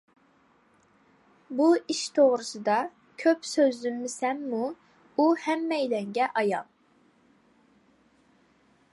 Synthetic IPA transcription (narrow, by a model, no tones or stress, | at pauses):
buiʃt̪ʰoʁɾɨsɨd̪ɑ | kʲʰøpsøzlymːɪsɛmːu | uhɛmːɛjlɛŋɡʲɛʔɑjɑlˠ